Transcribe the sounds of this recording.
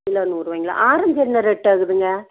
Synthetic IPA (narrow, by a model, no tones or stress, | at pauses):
ɪlɐnuːɾʋɐŋɡɪla̰ʔaːɾɐmd͡ʒɛnːɐɾɛʈːɐɣɯðɯŋɡɐ